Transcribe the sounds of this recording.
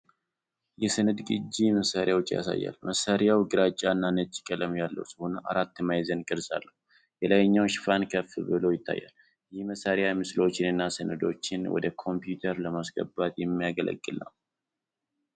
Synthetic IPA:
jɛsɨnɨd̪ɡʼɨd͡ʒːiməsaɾjawɔt͡ʃʼːja̰sa̰jːa̰lməsaɾjawɡɨɾat͡ʃʼːanːanət͡ʃːɪ̥kʼələmjalːə̰wsɨhonəʔaɾat̪ːɨmajzənkʼɨd̪sa̰lːəhu | jɛlajɲːawʃfankʰəfβɨlo̞jɪt̪ʰːa̰jːa̰l | jɪhməsaɾjamɨslo̞t͡ʃːɪnɨnːasɨnɨd̪o̞̰t͡ʃːɪnwɔ̰d̪əkʰo̞mpjut̪ʰəɾləmasɡə̰bat̪jɛmːijaɡəlʔə̰ɡʼːɨlːa̰m

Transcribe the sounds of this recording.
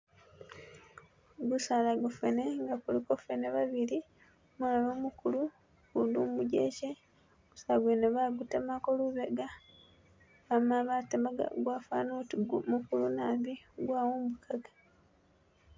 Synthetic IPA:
ɡusalaɡufeneŋɡakulikofeneβaβili | muaβomukulu | kundumuɟḛce | ɡusaɡweneβaɡutamakoluβeɡa | βamaβatamaɡa̰ɡwaːfa̰ːnotimukulunaːbiɡwaːwomukʰaɡḁ

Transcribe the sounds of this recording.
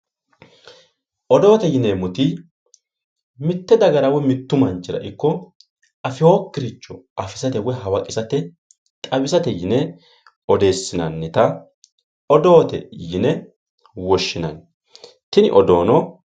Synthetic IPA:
ʔɔd̪o̞ːt̪ɛjɪneːmʊt̪ɪ | mɪt̪ːɛd̪ɐɡɐɾɐwɛmɪt̪ːʊmɐnt͡ʃʼːɪɾɐ̰ʔɪkːɔ | ɐfɪhoːkːɪɾɪt͡ʃːɔɐfɪsɐt̪ɛwɛɦɐwɐkʼɪsɐt̪ɛ | t̪ʼɐbɪsɐt̪ɛjɪnɛ | ɔd̪e̞ːsːɪnɐ̰nːɪt̪ɐ | ɔd̪o̞ːt̪ɛ̰jɪnɛ | wɔʃːɪnɐ̰n | t̪ɪnɪ̰ʔɔd̪o̞ːnɔ

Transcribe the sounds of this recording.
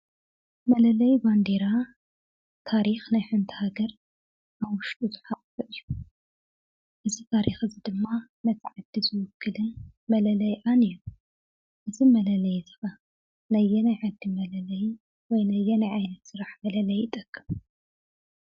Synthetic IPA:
mɐlɐlɐjband̪eɾa | t̪ʰaɾixnajħɨnt̪ʰɨhaɡɐɾ | ʔawʊʃt̪ʼuzɨħaqʼfɨʔɨjːu | ʔɨzit̪ʰaɾixɨzid̪ɨmːa | nɐt̪ʰʕad̪izɨwʊkʰːɨlɨnmɐlɐlɐjʔaniu | ʔɨzimɐlɐlɐjzɨ̥xɐ | nɐjːɛnajʕad̪ːimɐlɐlɐj | wɔjnɐjːɛnajʕajnɐt̪sɨɾaħmɐlɐlɐjːɪt̪ʼɐkʼːɨm

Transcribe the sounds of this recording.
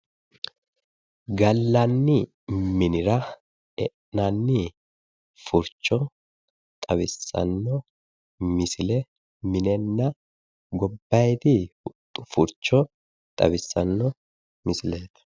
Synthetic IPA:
ɡɐlːɐnːɪ | mɪnɪɾɐ | ɛʔnɐnːɪ | fʊɾt͡ʃːɔ | t̪ʼɐbɪsːɐ̰nːɔ | mɪsɪlɛ | mɪnɛnːɐ | ɡɔbːɐjt̪ɪhʊt̪ʼːʊfʊɾt͡ʃːɔ | t̪ʼɐ̰bɪsːɐnːɔ | mɪsɪleːt̪ɐ̥

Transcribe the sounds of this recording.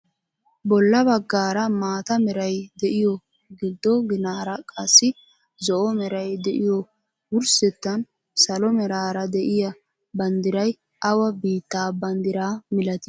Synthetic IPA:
bɔlːɐβɐɡːaːɾɐmaːt̪ɐmɛɾɐjd̪ɛʔɪjɔ | ɡɪd̪ːɔɡɪnaːɾɐkʼɐsːɪ | zɔʔɔmɛɾɐjd̪ɛʔɪjɔ | wʊɾsɛt̪ːɐn | sɐlɔmɛɾaːɾɐd̪ɛʔɪjɐ | bɐnd̪ɪɾɐj | ʔɐwɐbiːt̪ːaːbɐnd̪ɪɾaːmɪlɐt̪ɪ̥

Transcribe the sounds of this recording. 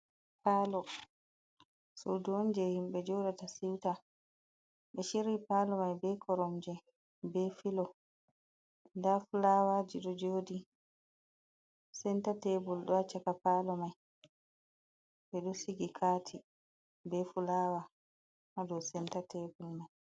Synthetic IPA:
paːlɔ | sɔduɔnd͡ʒɛhimɓɛd͡ʒɔdatasiwta | ɓɛʃiɾipalɔmajbɛkʰɔɾɔmd͡ʒɛ | bɛfilɔ | ndafulawad͡ʒiɗɔd͡ʒoːdi | sɛntatɛbulɗɔat͡ʃakapalɔmaj | ɓɛɗɔsiɡikʰaːtʰi | bɛfulaːwa | hadɔwsɛntatɛbulmaj

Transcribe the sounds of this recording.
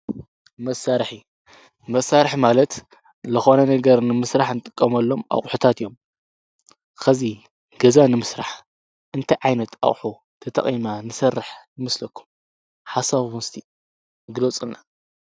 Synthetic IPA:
mɐsaɾħi | mɐsaɾħmalɐt̪ | zɨxo̞nɐnɐɡɐɾnɨmɨsɾaħnɨt̪ʼɨkʼːɐmɐlːo̞mʔa̰χʼħut̪ʰat̪ijo̞m | xɐzi | ɡ̥ɐzanɨmɨsɾaħ | ʔɨnt̪ʰɐjʕajnɐt̪a̰χʼħu | t̪ʰɐt̪ʰɐ̰χʼimanɨsɐrːɨħnɨmɐslɐkːu̥m | ħasaβumst̪ʰi | ɡɨlot͡sʼɨnːa

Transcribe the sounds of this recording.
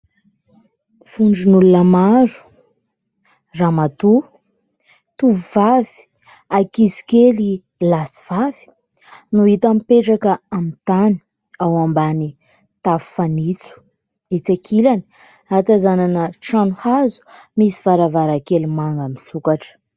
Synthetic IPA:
v̥uɳɖ͡ʐinulunəmaɾu̥ | ramat̪u | t̪uvvavi̥ | akisi̥keli | lasi̥v̥avi̥ | nuit̪amipeʈ͡ʂakəamit̪ani̥ | awambani | t̪avu̥fanit͡su̥ | et͡sakʰilani̥ | at̪azananəʈ͡ʂanuhazu̥misivaɾavaɾakelimaŋɡamisukaʈ͡ʂə̥

